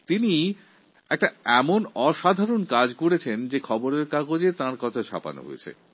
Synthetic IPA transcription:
t̪ini | ɛk̚ʈaɛmonɔʃad̪ʱaɾonkad͡ʑkoɽet͡ɕʰend͡ʑekʰɔboɾeɾkakod͡ʑet̪ãɾkɔt̪ʰaʃa̰pa̰no̰ɦo̰jet͡ɕʰḛ

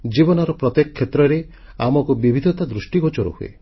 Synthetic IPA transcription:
d͡ʒibɔnɔɾɔpɾɔt̪ekɔkʰːet̪ɾɔɾe | amɔkubibʱid̪ʱɔt̪ad̪ɾusʈiɡɔt͡ʃɔɾɔ̰huḛ

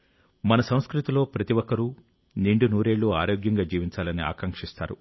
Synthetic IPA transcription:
mɐnɐsɐ̃w̃skɾit̪ilo̞ːpɾɐt̪iʋɔkːɐɾu | niɳɖunuːɾe̞ːɭːuːaːɾoːɡjɐŋɡaːd͡ʒiːʋiɲt͡ʃaːlɐnia̰ːkɐŋkʂist̪aːɾu

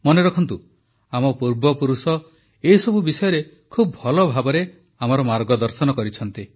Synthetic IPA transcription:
mɔneɾɔkʰɔnt̪u | amɔpuɾbɔpuɾusɔ | esɔbubisɔjɔɾe | kʰubbʱɔlɔbʱabɔɾe | amɔɾɔmaɾɡɔd̪ɔɾsɔnɔkɔɾit͡ʃʰɔnt̪i

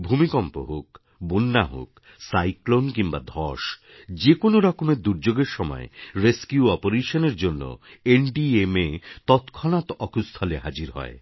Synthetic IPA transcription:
bʱumikɔmpo̰ɦok | bunːaɦo̰k | sajklonkimbad̪ʱɔʃ | d͡ʑekonoɾɔkomeɾd̪uɾd͡ʑoɡeɾʃɔmɔ̰ḛɾeskjuɔpoɾeʃoneɾd͡ʑonːo̰eɳɖiemet̪ɔt̪kʰɔnat̪ɔkʰust̪ʰɔleɦad͡ʑiɾɦɔ̰e

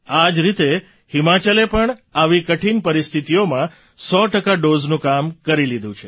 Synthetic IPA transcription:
ad͡ʒɾit̪e | himat͡ʃəlepəɳaʋikəʈʰinpəɾist̪ʰit̪ijomã | sɔʈəkaɖoznũkamkəɾilid̪ʱũt͡ʃʰe

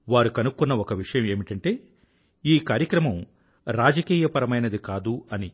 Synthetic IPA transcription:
ʋaːɾukɐnukːunːɐokɐʋiʂɐjɐme̞ːmiʈɐɳʈe̞ː | iːkaːɾjɐkɾɐmɐm | ɾaːd͡ʒɐkiːjɐpɐɾɐmɐjnɐd̪ikaːd̪uɐni

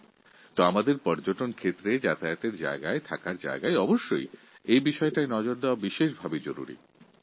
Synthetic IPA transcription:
t̪oamad̪eɾpɔɾd͡ʑoʈonkʰet̪ːɾed͡ʑat̪ʰajot̪eɾd͡ʑa̰eɡaet̪ʰakaɾd͡ʑa̰eɡaeɔboʃːo̰j | ejbiʃɔeʈaenɔd͡ʑoɾd̪eabiʃeʃbʱabed͡ʑoɾṵɾḭ

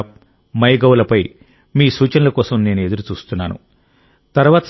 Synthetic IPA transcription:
mɐjɡɐwlɐpɐj | miːsuːt͡ʃɐnɐlɐkɔːsɐmne̞ːnue̞d̪uɾut͡ʃuːst̪unːaːnṵ | t̪ɐɾuʋaːt̪ɐ

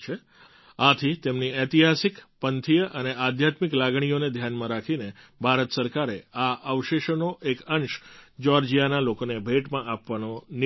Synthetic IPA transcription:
t͡ʃʰe | at̪ʰit̪emniɛt̪iɦasikpənt̪ʰijəʔəneʔad̪ʱjat̪miklaɡɳ̃ijoned̪ʱjanmãɾakʰine | bʱaɾət̪səɾkaɾeaʔəʋʃeʃənoʔekənʃd͡ʒɔɾd͡ʒijanalokonebʱeʈmãʔapʋanon

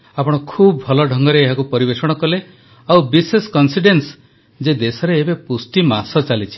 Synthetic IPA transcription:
apɔɽ̃ɔkʰubɔbʱɔlɔɖʱɔŋɡɔɾeːɦakupɔɾibesɔɽ̃ɔkɔle | awbisesɔ̥kɔnsiɖens | d͡ʒed̪esɔɾeːbepusʈimasɔt͡ʃalit͡ʃʰi̥

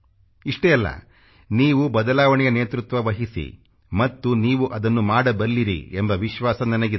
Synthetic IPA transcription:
iʂʈɛjɐlːɐ̰ | niːʋubɐd̪ɐlaːʋɐɳɛjɐneːt̪ɾut̪ʋɐʋɐɦisḭ | mɐt̪ːuniːʋuʔɐd̪ɐnːumaːɽɐbɐɾliɾḭembɐʋiʃʋaːsɐnɐnɐɡi

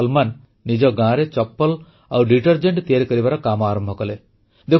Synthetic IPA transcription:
lmanː | id͡ʒɔɡãɾet͡ʃɔpːɔl | awɖiʈɔɾd͡ʒeɳʈt̪ijaɾikɔɾibaɾɔkamɔaːɾɔmbʱɔkɔle | d̪e

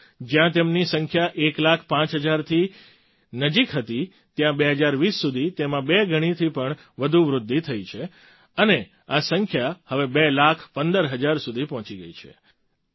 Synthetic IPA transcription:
d͡ʒjãt̪emnisəŋkʰjaʔeklakʰpãt͡ʃɦəd͡ʒaɾt̪ʰi | nəd͡ʒikɦət̪i | t̪jãbeɦəd͡ʒaɾʋisːud̪ʱit̪emãbeɡʱəɽ̃it̪ʰipəɳ | ʋəd̪ʱuʋɾʊd̪ʱːit̪ʰəit͡ʃʰe | əne | asəŋkʰjahəʋebelakʰpənd̪əɾɦəd͡ʒaɾsud̪ʱipɔ̃t͡ʃiɡə̰it͡ʃʰḛ

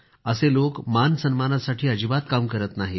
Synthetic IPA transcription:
əselokmansənmanasaʈʰiːəd͡ʑibat̪̚kamkəɾət̪naɦi

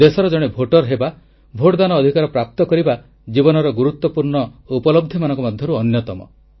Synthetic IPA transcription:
d̪esɔɾɔd͡ʒɔɽ̃ebʱoʈɔɾɦeba | bʱoʈd̪anɔːd̪ʱikaɾɔpɾap̚t̪ɔkɔɾiba | d͡ʒibɔnɔɾɔɡuɾut̪wɔpuɾɳɔupɔlɔb̚d̪ʱimanɔ̃ŋkɔmɔd̪ʱjɔɾuɔnjɔt̪ɔmɔ̰

